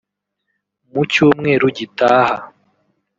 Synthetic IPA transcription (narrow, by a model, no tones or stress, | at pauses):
mucuːmŋe̞ɾuɟitaːha